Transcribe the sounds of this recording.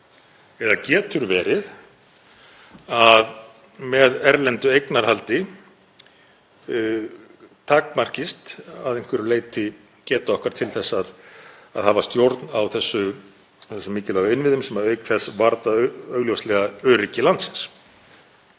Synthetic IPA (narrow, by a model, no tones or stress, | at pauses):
ɛðacɛːt̪ʏɾvɛːɾɪð | að | mɛðɛɾlɛnt̪ʏejknaɾ̥halt̪ɪ | t̪ʰaːkmar̥cɪst̪aðejŋ̥kvɛɾʏleːjt̪ɪ | cɛːt̪aɔhkaɾ̥t̪ʰɪlθɛsːaðaðhaːvast̪jowɾt̪nawθɛsːʏ | θɛsʏmːɪːcɪlɛɣaɪnvɪðʏmsɛmaœɥkθɛsvaɾt̪aœœɣljowst̪lɛɣaœːɾɪcɪlant̪sɪ̥ns